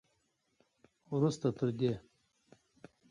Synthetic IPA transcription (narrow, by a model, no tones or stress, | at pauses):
ɾust̪at̪ʰɨɾd̪ʲe